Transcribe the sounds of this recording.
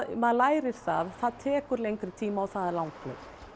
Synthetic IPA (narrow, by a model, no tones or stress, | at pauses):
maðlaːjɾɪɾ̥saðθaðt̪ʰɛːkʏɾlejŋkɾɪt̪ʰiːmaɔθaðɛɾlawŋklɛ̰